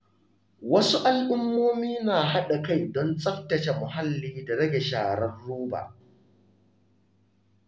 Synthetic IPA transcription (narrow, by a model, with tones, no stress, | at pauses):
wɐ˦su˦ʔa˦lʔʊ˦mːoː˦miː˦naː˨ɦa˦ɗa˨ka˦˨jdɔ˦nt͡sʼɐ˦ɸtɐ˨t͡ʃe˨mʊ˨ɦa˦lːiː˦da˨ɽɐ˦ɡʲe˨ʃaː˨ɽɐ˦rːuː˦ba̰ː˨ʔ